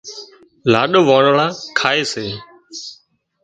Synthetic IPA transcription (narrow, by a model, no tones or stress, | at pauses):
laːɗoʋaːɾɭaːkʰaːeːseː